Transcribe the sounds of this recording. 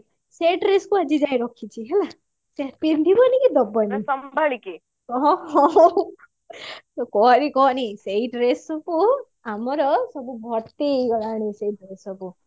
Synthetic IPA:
seʈɾeskuad͡ʒid͡ʒajɾɔkʰit͡ʃʰiɦela | teaɾpind̪ʱibɔnikid̪ɔbːɔnisɔmbʱaɭiki | ɔɦɔ̃ | t̪ɔkɔɔɾikɔɦɔniseiʈɾesɔpu | amɔɾɔsɔbubʱɔɾt̪iɡɔɽaɽ̃iseʈɾesɔbu

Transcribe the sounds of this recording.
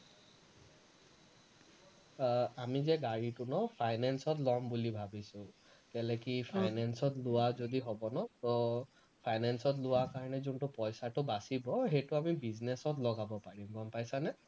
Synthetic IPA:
amizɛɡaɹitʊnɔpʰajnansɔtlɔmbulibʱabisʊ̃ | kɛlɛkipʰajnansɔtlʊwazodiɦɔbɔnɔtɔ | pʰajnansɔtlʊwakaɹɔnɛzuntʊpɔjsatʊbasibɔɦejtʊamibiznesɔtlɔɡabɔpaɹimɡɔmpajsanɛ

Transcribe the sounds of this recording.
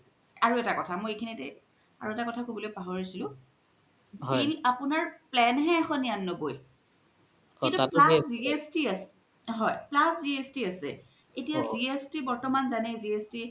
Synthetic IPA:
aɹuɛtakɔtʰamojekʰinitɛ | a̰ɹuɛtakɔtʰakobɔlojpaɦoɹisilʊ̃ | ilapʊnaɹplɛnɦɛːxɔnianːoboj | kĩntupasziestiasɛ | ɦɔjplasziestiasɛ̰ | etijaziestibɔɹtɔmanzanɛziesti

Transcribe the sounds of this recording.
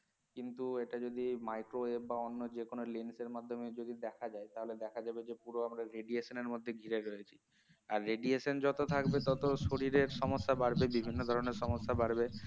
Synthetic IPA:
kint̪ueʈad͡ʑod̪imajkɾoebbaonːod͡ʑekonolinseɾmad̪ʱːomed͡ʑod̪id̪ɛkʰad͡ʑaet̪aɦoled̪ɛkʰad͡ʑabed͡ʑepuɾoamɾaɾeɖieʃoneɾmod̪ʱːeɡʱiɾeɾojet͡ɕʰi | aɾːeɖieʃond͡ʑɔt̪ot̪ʰakbet̪ɔt̪oʃoɾiɾeɾʃɔmoʃːabaɾbebibʱinːod̪ʱɔɾoneɾʃɔmoʃːabaɾbe

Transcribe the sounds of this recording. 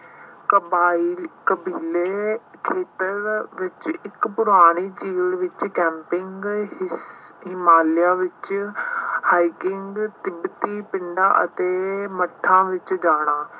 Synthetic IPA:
kəbaːikəbiːlekʰeːt̪əɾʋɪt͡ʃɪkpʊɾaːɽ̃iːt͡ʃiːlʋɪt͡ʃkɛ̃ːmpɪŋɡ | ɦɪmaːljaːʋɪt͡ʃ | haːikɪŋɡt̪ɪbt̪iːpɪɳɖaːʔə̰t̪eːməʈʰːãːʋɪt͡ʃd͡ʒaːɽ̃aː

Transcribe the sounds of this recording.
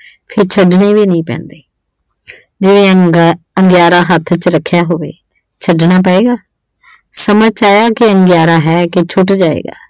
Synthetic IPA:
pʰɪɾt͡ʃʰəɖneːʋiːnəĩːpɛ̰̃ːnd̪eː | d͡ʒɪʋẽː | əŋɡjaːɾaːɦət̪ʰːt͡ʃɾəkʰːjaːɦoːʋḛː | t͡ʃʰəɖnaːp̬əeːɡaː | səməd͡ʒt͡ʃaːjaːkɪəŋɡjaːɾaːɦɛːkɪt͡ʃʰʊʈd͡ʒaːḛːɡa̰ː

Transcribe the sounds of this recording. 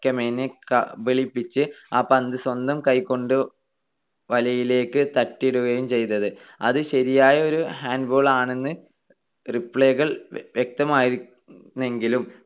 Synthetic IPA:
kːɐmeːnekɐ̰biɭipːit͡ɕːɨaːpɐnd̪ɨswɐnd̪ɐmkɐjkːo̞ɳɖɨ | ʋɐlɐjile̞ːkːɨt̪ɐʈːiɽuɣɐjumt͡ɕe̞jnːɐðɨ | ɐðɨɕɐɾijaːjɐo̞ɾuhaːnɖboːɭaːɳe̞nːɨ | ripːɭeːɣɐɭʋjek̚t̪ɐmaːjii | nːe̞ŋɡilum

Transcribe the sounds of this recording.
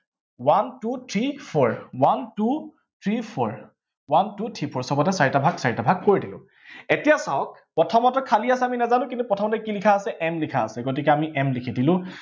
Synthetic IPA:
wantutʰɹipʰɔɹwantu | tʰɹipʰɔɹ | wantutʰipʰɔɹsɔbɔtɛsaɹitabʱaɡsaɹitabʱaɡ̚koɹidilʊ̰̃ | etijasaɔk̚pɹɔtʰɔmɔtɔkʰaliasɛaminɛzanʊ̃kĩntupɹɔtʰɔmɔtɔkilikʰaːsɛʔɛmlikʰaːsɛɡotikɛamiʔɛmlikʰidilʊ̃

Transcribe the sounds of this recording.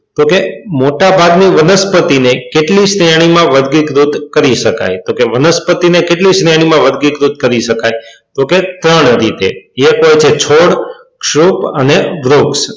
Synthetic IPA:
t̪okemoʈabʱaɡniʋənəspət̪inekeʈlisɾjaɽ̃imãʋəd̪ʱɡikɾud̪ʱkəɾiʃəka̰jt̪okeʋənəspət̪inekeʈlisnjaɽ̃imãʋəd̪ɡikɾud̪̚ʱkəɾiʃəkajt̪oket̪ɾəɳɾit̪ḛekojt͡ʃʰet͡ʃʰoɽ | kʃɾupəneʋɾuks

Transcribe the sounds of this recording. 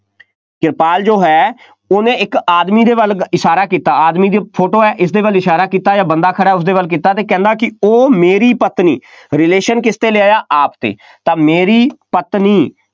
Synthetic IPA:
kɪɾpaːld͡ʒoːɦɛː | oːnẽːɪkaːd̪miːd̪eːʋəlɪʃaːɾaːkiːt̪aːaːd̪miːd̪iːpʰoːʈoːɛːʔɪsd̪eːʋəlɪʃaːɾaːkiːt̪aːd͡ʒaːbənd̪aːkʰəɽaːʊs̬d̪eːʋəlk̬iːt̪aːt̪eːkɛ̃ːnd̪aːkɪoːmeːɾiːpət̪nḭː | ɾɪleːʃənkɪst̪eːlɪaːjaːʔaːpt̪ḛː | t̪ãːmeːɾiːpət̪nĩː

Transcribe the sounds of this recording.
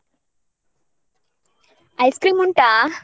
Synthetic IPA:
ɐjskɾiːmuɳʈaː

